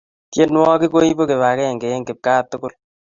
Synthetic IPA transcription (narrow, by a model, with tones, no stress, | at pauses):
tje˦nwɔ˦ki˦ko˦i˦bo˦ke˨βa˨kɛ˦ɛ˨ŋɡe˨e˦ŋɡɪ˨p̚kaː˦tʊ˦kʊ˦l